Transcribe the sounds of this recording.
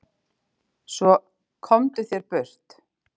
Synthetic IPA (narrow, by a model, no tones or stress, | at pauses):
svɔ | kʰɔmt̪ʏθjɛɾpʏr̥t̪